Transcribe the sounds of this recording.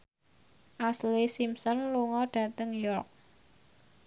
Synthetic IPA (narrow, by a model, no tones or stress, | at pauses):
ʔaslisimsɔnluŋɔɖ̥ä̤t̪əŋjɔrk̚